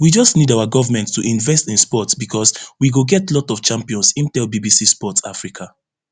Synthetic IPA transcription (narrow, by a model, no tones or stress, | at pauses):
wid͡ʒɔstnidaʊaɡɔvamɛ̃nttːuʔĩnvɛstĩnspɔtsbikʰɔswiɡoɡɛtlɔtɔft͡ʃãmpiɔ̃nsĩmtɛlbibisispɔta̰fɹikʰa